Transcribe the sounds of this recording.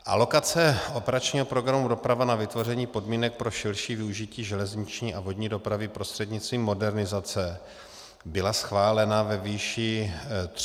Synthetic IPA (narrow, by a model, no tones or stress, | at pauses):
ʔa̰lo̞kat͡sɛʔo̞pɛɾat͡ʃɲiːɦopɾo̞ɡɾamudo̞pɾavanavɪt̪vo̞rɛɲiːpo̞dmiːnɛk̚pɾo̞ʃɪlʃiːvɪuʒɪciːʒɛlɛzɲɪt͡ʃɲiːʔavo̞dɲiːdo̞pɾavɪpɾo̞st̪r̥ɛdɲɪtt͡st̪viːmːo̞dɛɾnɪzat͡sɛ | bɪlasxvaːlɛnavɛviːʃɪ